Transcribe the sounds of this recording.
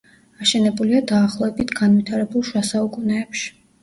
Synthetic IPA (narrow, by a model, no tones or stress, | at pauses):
aʃɛnɛbuliad̪aːχlˠɔɛbit̪ʰɡanvit̪ʰaɾɛbulˠʃwasaukʼunɛːpʃi̥